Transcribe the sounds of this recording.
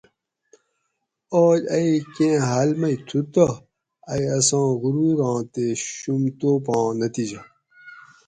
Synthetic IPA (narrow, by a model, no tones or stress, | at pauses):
oːd͡ʑɐikẽːɦalmɐit̪ʰut̪ɐ | ɐjɐsãːɣuɾuɾɑ̃ːt̪eɕumt̪opɑ̃ːnɐt̪id͡ʑɐ